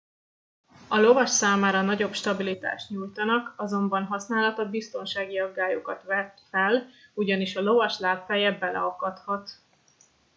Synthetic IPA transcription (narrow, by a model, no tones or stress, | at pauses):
ɒlo̞vɒʃsaːmaːɾɒnɒɟo̞pʃt̪ɒbilit̪a̰ːʃt̪ɲuːjt̪ɒnɒkɒzo̞mbɒnɦɒsnaːlɒt̪ɒbist̪o̞nʃaːɡiɒɡːaːjokɒt̪ʋɛt̪fɛluɟɒniʃɒlo̞vɒʃlaːtfɛjɛbɛlɛ̰ɒkɒt̪hɒt̪